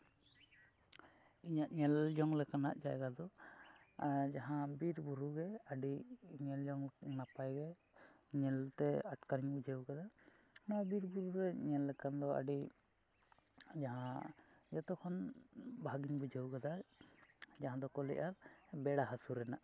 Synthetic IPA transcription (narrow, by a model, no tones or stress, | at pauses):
iɲaʔɲɛld͡ʒɔŋlɛkanaʔd͡ʒajɡad̪ɔ | d͡ʒaɦãbiɾbuɾuɡɛaɖiɲɛld͡ʒɔŋnapajɡɛ | ɲɛlt̪ɛaʈkaɾiɲbud͡ʒəwkad̪a | nɔbiɾbuɾuɾɛɲɛlːɛkand̪ɔa̰ɖi | d͡ʒaɦãd͡ʒɔt̪ɔkʰɔnbʱaɡiɲbud͡ʒəwkad̪a | d͡ʒaɦãd̪ɔkɔlɛ̰ʔaɾbɛɽaɦasuɾɛnaʔ